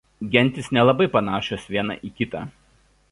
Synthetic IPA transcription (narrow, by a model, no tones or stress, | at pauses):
ɡʲɛnʲˑt̪ʲɪsnʲɛlˠɐbɐɪpɐnɑːʃoːsʋʲiɛnɑ̰ʔiːkʲɪt̪ɑ̰ː